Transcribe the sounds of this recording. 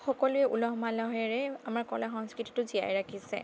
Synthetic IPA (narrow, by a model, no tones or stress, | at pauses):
xɔkɔlʊɛʔulɔɦmalɔɦɛɹɛamaɹkɔlaxɔŋskɹiti̥tʊzija̰jɹakʰisɛ̰